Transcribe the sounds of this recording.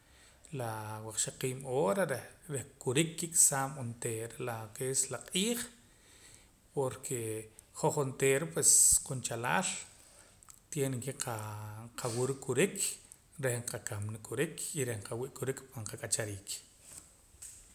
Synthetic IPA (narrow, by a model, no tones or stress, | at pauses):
lawaq͡χʃaqiːmoːɾaɾeɾehkuɾikːikʼsaːmont̪eɾelakeslaqʼiːχ | poɾkʰeχoχont̪eːɾpwesqunt͡ʃala̰ːl | t̪jeːnŋkeqʰaqʰawuɾukʼːuɾikʰ | ɾehɴqakamnikʼːuɾikʰiɾehɴqawiʔkʼuɾikpaɴqakʼat͡ʃaɾiːkʰ